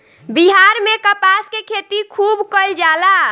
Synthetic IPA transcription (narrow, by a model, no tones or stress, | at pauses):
biɦaɾmekəpaskekʰet̪ikʰubkəld͡ʒala